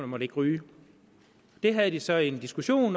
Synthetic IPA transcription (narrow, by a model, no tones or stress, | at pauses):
nəmɒ̽ɾe̝ɡ̥ʁyː | d̥e̝ɦæð̞ˠd̥isɒ̽e̝nd̥isɡ̥uɕo̝̰ːn